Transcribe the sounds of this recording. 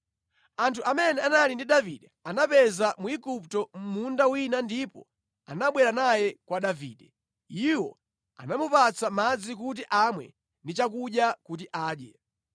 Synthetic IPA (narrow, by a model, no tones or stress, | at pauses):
antʰuʔamɛnɛanalindiɗaviɗɛanapɛzamuiɡup̚tɔm̩mundawinandipɔ̰ | anaɓwɛɾanajɛkwaɗavḭːɗɛ | iwɔ̰ | a̰namupat͡samad͡zik̬ut̬iʔamwɛ̰ | ndit͡ʃak̬uɗjakut̬iʔaːɗjɛ